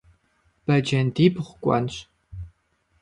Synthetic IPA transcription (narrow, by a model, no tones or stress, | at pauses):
b̥ɐd͡ʒɐndibχʷkʷʼɔ̰nɕ